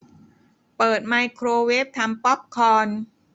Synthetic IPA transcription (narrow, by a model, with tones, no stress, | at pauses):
pɤː˨˩t̪̚ma˧jkʰɾoː˧weː˦˥p̚t̪ʰa˧mpɔ˦˥p̚kʰɔː˧n